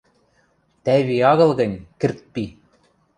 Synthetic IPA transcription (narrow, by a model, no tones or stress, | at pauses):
t̪æβiɑɣɤ̆lˠɣɤ̆nʲkɘ̆rt̪̚pi